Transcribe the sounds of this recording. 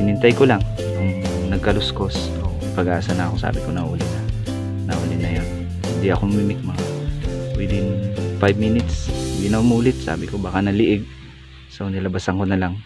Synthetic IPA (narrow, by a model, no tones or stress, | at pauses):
ʔɪnɪnt̪ajkolaŋ | ŋ | nɐɡ̚kɐlʊsko̞sʔo̰ɪpɐɡʔaːsɐnakosa̰ːbɪkonɐʔṵːlɪnɐ | nɐʔuːlɪnɐjon | hɪnd̪iʔɐkomiːmɪk̚mɐŋawɪd̪ɪnfajb̚minɪt̪sɪnd̪d̪inɐʊmuːlɪt̪̚sa̰ːbɪkobaːkanɐlɪʔɪɡ̚ | sɐʔonɪlɐbasɐŋkonɐlaŋ